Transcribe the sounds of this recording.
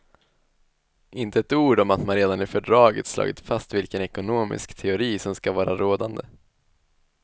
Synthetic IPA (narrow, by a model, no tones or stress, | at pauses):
ʔɪnt̪əɛt̪uːɖɔmat̪manɾeːd̪anɪfœɖɾɑːɡə̰t̪slɑ̰ːɡɪt̪fast̪vɪlkənɛkʊnoːmɪ̰skt̪ʰɛʊɾiːsɔmskavɑːɾaɾoːd̪and̪ə